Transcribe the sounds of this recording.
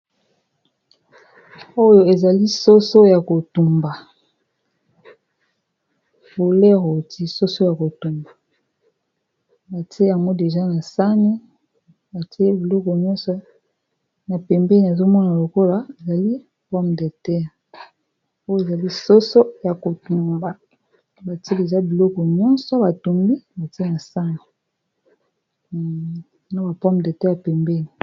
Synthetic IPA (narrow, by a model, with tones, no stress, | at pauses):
o˦jo˨e˨za˨li˦so˦so˦ja˨ko˨tu˨mba˨ | fo˨lɛ˦ʁo˨ti˦so˦so˦ja˨ko˨tu˨mba˨ | ba˨ti˦e˦a˨mɔ˦de˨ʒa˦na˨sa˦ne˦ | ja˨ti˦e˦bi˨lɔ˦kɔ˨ɲɔ˦sɔ˦ | na˨pɛ˨mbɛ˦n˨a˨zo˦mɔ˦na˨lo˨ko˦la˨˦e˨za˨li˦ | pɔ˦mde˨tɛ˦˨ | o˦jo˦e˨za˨li˦so˦so˦ja˨ko˨tu˨mba˨ | ba˨ti˦e˦de˨ʒa˦bi˨lɔ˦kɔ˨ɲɔ˦nsɔ˦ba˨tu˨mbi˦ba˨ti˦e˦na˨sa˦ni˨ | no˦ba˨pɔ˦mde˨tɛ˦ja˨pɛ˨mbɛ˦ni˨